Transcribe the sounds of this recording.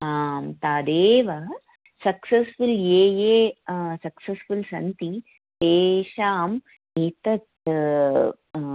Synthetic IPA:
aːmt̪aːd̪eːʋɐ | sɐksɐsfuleːjeːsɐksɐsfulsɐnt̪i | teːʃaːm | eːt̪ɐt̪

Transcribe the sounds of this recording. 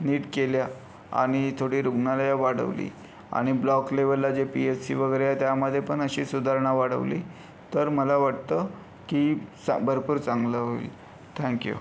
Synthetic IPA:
niːʈkelja | a̰ɽ̃it̪ʰoɽiːɾuɡnalajaʋaɽə̰ʋlḭː | a̰ɽ̃iblɔkleʋəlːad͡ʑepiessḭʋəɡəjɾejat̪jaməd̪ʱːjepəɳəɕiːsud̪ʱaɾɳaʋaɽə̰ʋlḭː | t̪əɾməlaʋaʈt̪ə | kisabʱəɾpuːɾt͡sãŋɡləɦoḭl | t̪ʰɛ̃ŋkjṵ

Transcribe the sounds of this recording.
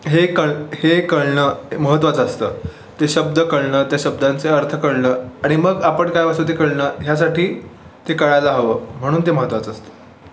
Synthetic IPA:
ɦekəɭhekəɭɳəməɦət̪ːʋat͡səst̪ə̰ː | t̪eɕəbd̪əkəɭɳət̪jaɕəb̚d̪ant͡seəɾt̪ʰəkəɭɳəːaɽ̃iməɡapəɳkajʋasut̪̬ekəɭɳəɦjasaʈiː | t̪ekəɭajlaɦəʋəːm̤əɽ̃uːnt̪eməɦət̪ːʋat͡səst̪ə̥

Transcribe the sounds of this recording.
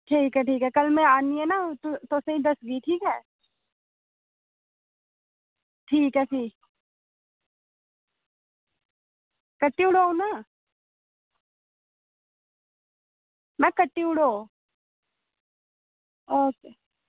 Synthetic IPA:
ʈʰiːkɦɛʈʰiːkɦɛkɐlmɛ̃aːniɛnaːt̪t̪oːseĩd̪ɐsɡiʈʰiːkɦɛː | ʈʰiːkɦɛʈʰiː | kəʈːiʊɽoũna | mɛkəʈːiʊɽoː | oːk

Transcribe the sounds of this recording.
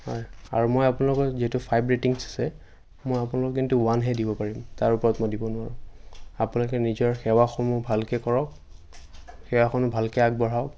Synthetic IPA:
hɔja̰ɹumojapunalɔkɔziɦɛtʊpʰajbɹetiŋsḁsɛ | mojapunalɔkɔkintuwanɦɛdibɔpaɹimtaɹupɔɹɔtmojdibɔnʊwaɹʊ̃apunalɔkɛnizɔɹxɛwaxɔmubʱalkɛkɔɹɔk | xɛwaxɔnʊbʱalkɛaɡ̚bɔɹaʊk

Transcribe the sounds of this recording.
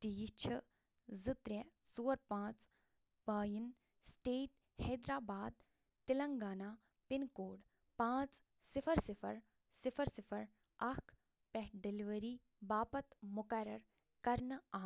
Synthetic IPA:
t̪ijit͡ʃʰɐ | zɨt̪ɾesuːɾpãːt͡s | baːjin | sʈeːʈ̚ | hɛːd̪ɾaːbaːd̪̚ | t̪ilɐŋɡaːnaː | pɪnkoːɽ | pãːt͡s | sɪfʰɐɾsɪfʰɐɾ | sɪfʰɐɾsɪfʰɐɾ | ɐkʰ | pɛɖeliʋəɾiː | baːpɐt̪mʊkɐɾɐɾ | kɐɾnaː

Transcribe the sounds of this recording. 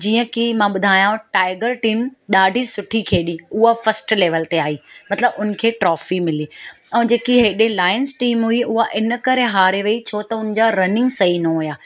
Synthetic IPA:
d͡ʑiːə̃kimãːɓʊd̪ʱaːjãʈaːɪɡəɾʈiːmɗaːɖʱisʊʈʰikʰeːɗĩʊɦafɐɾsʈleːʋəlt̪eaːɦiːmɐt̪ləbʊnə̆kʰeːʈɾɔːfimɪli | ɛ̃ːd͡ʑeːkiɦeːɗelaːɪnsʈiːmɦʊiʊɦaʔɪnə̆kɐɾeɦaːɾeʋeit͡ɕʰoːt̪ɐʊnɪd͡ʑaɾɐnɪ̃ŋɡsɐinɐɦʊjaː

